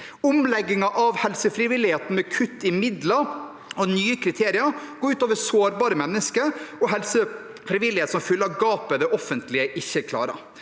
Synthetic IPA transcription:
ʊmlɛɡːɪŋɑʔɑʋhɛlsəfɾɪʋɪlːɪheːt̪n̩mɛkʰʉt̪ːɪmɪd̪lɑ | ɔnyːəkʰɾɪt̪ʰeːɾɪəɡ̥oːɾʉːt̪ɑːʋəsoːɾbɑːɾəmɛnːəskəɾɔɦɛlsə | fɾɪʋɪlːɪheːt̪sɔmfʏlːəɑʋɡɑːpəd̪ɛʔɔfənt̪lɪəʔɪçːəkʰlɑ̰ːɾə̰

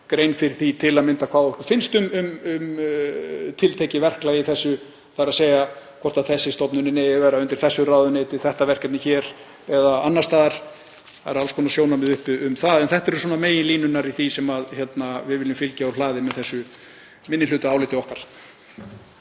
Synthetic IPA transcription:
kɾejnfɪɾɪ̥θit̪ʰɪlaðmɪnt̪akʰvaːðhkʏ̥fɪnst̪ʏmʏmʏm | t̪ʰɪlt̪ʰejcɪvɛr̥klajiθɛsːʏ | θaɾaðseːjakʰɔr̥t̪aðθɛsːɪst̪ɔpnʏnɪnɛjɪvɛːɾaʏnt̪ɪ̥ɾ̥θɛsːʏraːwðʏneːt̪ɪθɛht̪avɛr̥cɛt̪nɪçɛːɾ | ɛðaanːast̪aːðaɾ̥ | aɾalskʰɔːnasjoːwnamɛðʏhpɪʏmθaðɛnθɛht̪aɛɾʏswɔːnameːjɪnliːnʏnaɾiθisɛmaðçɛt̪navɪðvɪlːɪmfɪlcaɔlaːðɪmɛðθɛsːʏ | mɪnːɪnʏːt̪ʏaːwlɪt̪ɪɔhkaɾ̥

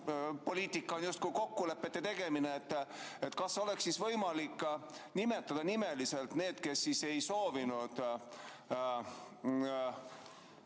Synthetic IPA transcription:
po̞liːt̪ˑikːˑɑonjust̪kujko̞kːule̞pːet̪ːet̪e̞ɡ̥e̞mineːt̪ːet̪kɑsːeo̞le̞ksːisvɤjmɑlikːnime̞t̪ːˑɑd̪̥ɑnime̞lise̞lt̪ne̞ːd̪ke̞sːise̞jso̞ːvinud̪̥

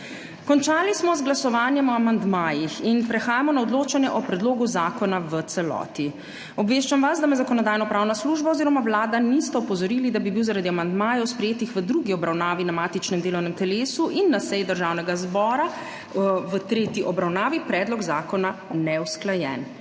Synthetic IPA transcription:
kɔnt͡ʃaːlismɔzɡlasɔʋaːnjɛmɔamand̪maːjixinpɾɛxaːjamɔnaɔd̪loːt͡ʃanjɛʔɔpɾɛd̪loːɡuzaːkɔnaʋət̪sɛlɔ̰ːt̪i | ɔbʋeːʃt͡ʃamʋasd̪amɛzakɔnɔd̪aːjnɔpɾaːwnasluʒbaoziɾɔmawlaːd̪anist̪ɛɔpɔzɔɾiːlid̪abibiwzaɾad̪iamand̪maːjɔwspɾɛjeːt̪ixʋəd̪ɾuɡiɔbɾawnaːʋinamaːt̪it͡ʃnɛmd̪eːlɔwnɛmt̪ɛleːsuʔinːasɛjid̪əɾʒaːwnɛɡazbɔːɾa | ʋət̪ɾeːt̪iʔɔbɾawnaːʋipɾɛːd̪lɔɡzaːkɔnanɛwsklajɛ̰n

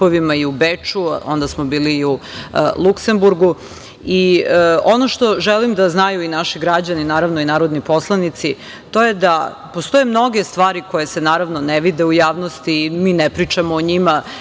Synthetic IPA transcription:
oʋimaiubet͡ʂuo̰nd̪asmobiːliːulˠukse̞mbuɾɡu | io̞noʃt̪o̞ʒɛlimd̪aznajuinaʃiɡɾad͡ʑaninaːɾaʋnoinaːɾod̪nipo̞slˠanit̪si | t̪o̞je̞d̪a | post̪o̞jemno̞ɡe̞st̪ʋaːɾiko̞jese̞naːɾaʋno̞neʋid̪eujaːʋnost̪iːmiːnepɾit͡ʃamoːɲima

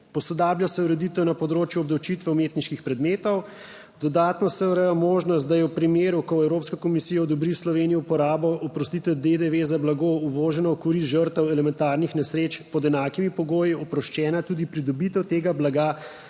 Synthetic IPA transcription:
pɔsɔd̪aːbljasɛuɾɛd̪it̪ɛwnapɔd̪ɾoːt͡ʃjuɔb̚d̪ɐwt͡ʃit̪ʋɛumeːt̪niʃkixpɾɛd̪meːt̪ɔw | d̪̥ɔd̪aːt̪nɔsɛuɾɛjɔmoːʒnɔst̪d̪ajɛwpɾimeːɾukɔɛwɾopskakɔmisijad̪ɔbɾislɔʋenijɔupɔɾaːbɔʔɔpɾɔst̪it̪ɛd̪ed̪eʋezablaɡouʋɔːʒɛnɔɔkuɾiʒəɾt̪ɛwɛlɛmɛnt̪aːɾnixnɛsɾeːt͡ʃpɔd̪ɛnaːkimipɔɡoːjiɔpɾɔʃt͡ʃɛːnat̪uːd̪ipɾid̪ɔbit̪ɛwt̪eːɡablaɡa

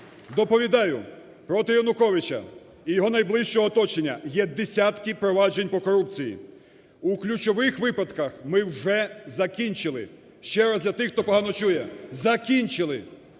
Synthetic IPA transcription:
d̪ɔpɔʋʲid̪ɑjʊ | pɾɔt̪ɪjɔnʊkɔʋɪt͡ʃɐ̰ | ijɔɦɔnɐjblˠɪʃt͡ʃɔɦɔːt̪ɔt͡ʃenʲːɐ̰jɛd̪esʲat̪kipɾɔʋɑd͡ʒe̞nʲpɔkɔɾup̚t͡sʲijḭ | uklʲut͡ʃɔʋɪxʋɪpɐt̪kɐxmɪwʒɛzɐkʲinʲt͡ʃɪlˠɪ̰ | ʃt͡ʃɛɾɐzd̪lʲɐt̪ɪxt̪ɔpɔɦɑnɔt͡ʃujɛzɐkʲinʲt͡ʃɪlˠɪ

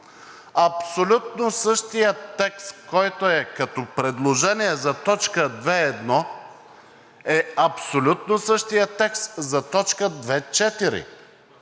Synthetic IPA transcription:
ɐpsolʲut̪̚nosɤʃt̪ijət̪ːɛkst̪kɔjt̪oɛkɐt̪ɔpɾɛd̪lˠoʒɛniɛzɐt̪ɔt͡ʃkəd̪vɛɛd̪nɔ | ɛɐpsolʲut̪nosɤʃt̪ijət̪ɛkst̪zɐt̪ɔt͡ʃkəd̪vɛt͡ʃɛt̪iɾḭ

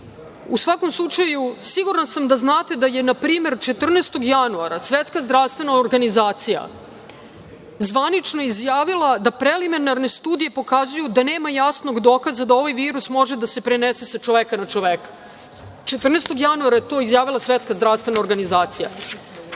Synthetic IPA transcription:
usʋako̞mslˠut͡ʂajusiɡuɾansamd̪aznaːt̪e̞d̪ajenapɾiːme̞ɾt͡ʃe̞t̪r̩neːst̪o̞ɡjanuaɾasʋet̪skazd̪ɾaʋst̪ʋe̞naoɾɡanizaːt̪sija̰ | zʋanit͡ʃno̞jeizjaːʋilˠad̪apɾelimenaɾne̞st̪uːd̪ije̞po̞kazujud̪aneːmajasno̞ɡd̪o̞kazad̪ao̞ʋajʋiːɾusmo̞ʒe̞d̪ase̞pɾenesesat͡ʃoʋeːkanat͡ʃoʋeːkḁ | t͡ʃe̞t̪r̩nest̪o̞ɡjanuaɾajet̪o̞izjaːʋilˠasʋet̪skazd̪ɾaʋst̪ʋe̞naoɾɡanizaːt̪sija̰

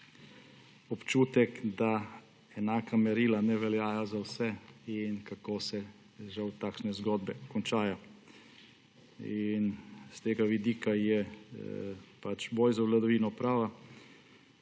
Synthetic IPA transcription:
ɔpt͡ʃuːt̪ɛkd̪a | ɛnaːkamɛɾiːlanɛʋɛljaːjazawsɛinkakoːsɛ | ʒawt̪aːkʃnɛzɡɔd̪bɛkɔnt͡ʃaːja | inst̪eːɡaʋid̪iːkajɛ | pat͡ʃboːjzaʋlad̪ɔʋiːnɔpɾaːʋa

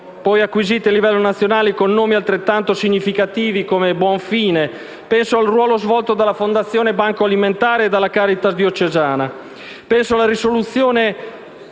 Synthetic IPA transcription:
pɔjakːwiziːt̪ealivɛlːonat̪sːjonaːlikonːoːmialt̪ɾet̪ːant̪osiɲːifikat̪iːvikomebwɔɱfiːne | pɛnsoalrwɔːlozvɔlt̪od̪alːafond̪at̪sːjoːnebaŋkoaliment̪aːɾeːd̪alːakaːɾit̪asd̪iot͡ʃːezaːna | pɛnsoalaɾisolut̪sːjoːne

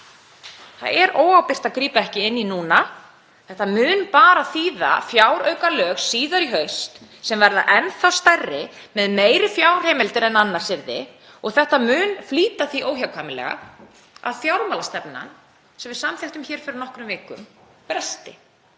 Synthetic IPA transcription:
θa̰ðɛɾoːwawpɪr̥t̪aðkɾiːpaɛhcɪɪnːinuːna | θɛht̪amʏːnpaːɾaθiːða̰fjaːwɾœːɥkalœːxsːiːðaɾiɦœɥst̪ | sɛmvɛɾða̰ʔɛnθawst̪arːɪ | mɛðmeːjɾɪfjaːwr̥eːjmɛlt̪ɪɾɛnanːaɾ̥sɪɾðɪ | ɔɣθɛht̪amʏːnfliːt̪aθiʔoːwçjawkʰvaːjmɪlɛ̰ɣa̰ | a̰ðθjawɾmaːlast̪ɛp̚na̰n | sɛmvɪðsamθɛht̪ʏmçɛːɾ̥fɪɾɪɾnɔhkɾʏmvɪːkʏ̰mpɾɛst̪ɪ̰

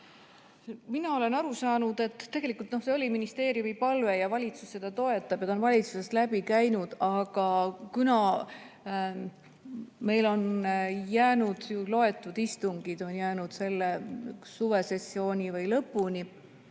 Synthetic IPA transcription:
minɑo̞le̞nɑɾusɑːnud̪̥e̞t̪ːˑt̪ːe̞ɡ̥e̞likːˑult̪no̞hseolʲiminist̪e̞ːɾijumipɑlve̞jɑvɑlʲit̪susːe̞d̪̥ɑt̪o̞e̞t̪ːˑɑb̥jɑt̪ɑonvɑlʲit̪suse̞st̪læb̥ikæjnud̪̥ɑɡ̥ɑkunɑ | me̞jlo̞njæːnud̪̥julo̞e̞t̪ːˑud̪̥ist̪uŋɡ̥id̪o̞njæːnud̪̥se̞lːesuve̞se̞sːio̞ːnʲivɯjlɤpːˑunʲi

